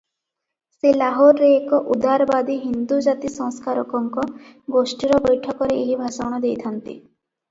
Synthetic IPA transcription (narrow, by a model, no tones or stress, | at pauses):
selaɦoɾːeːkɔʔud̪aɾbad̪iɦind̪ud͡ʒat̪isɔ̃ŋskaɾɔkɔŋkɔɡosʈiɾɔbɔjʈʰɔkɔɾeeɦibʱasawɽ̃ɔd̪ejt̪ʰant̪ḭ